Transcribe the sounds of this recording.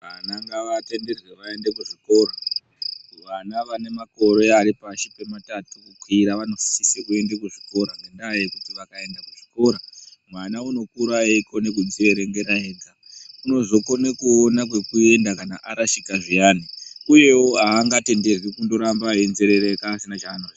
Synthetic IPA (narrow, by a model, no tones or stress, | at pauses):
ʋanaŋɡaʋate̞nde̞rweʋae̞ndekuʐiko̞ːɾa | ʋanaʋane̞mako̞ɾe̞aɾipaʃipe̞matatukukwiɾaʋano̞fi̥sisekue̞ndekuʐiko̞ɾanendajekutiʋakae̞ndakuʐ̥iko̞ːɾamwanauno̞kuɾajeikʰo̞nek̬winzeɾe̞ɾe̞ŋɡe̞ɾaeːɡa | uno̞zo̞ko̞nekuonakwe̞kue̞ndakanaʔaɾaʃikaʐiaːniuje̞woɦaːŋɡate̞nde̞rwikundo̞ɾambaenzeɾe̞ɾekaːsinat͡ʃaːno